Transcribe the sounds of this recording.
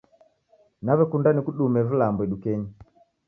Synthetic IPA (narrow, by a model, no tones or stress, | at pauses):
naβɛkundanikuɗumɛvilambwɛɗukɛɲi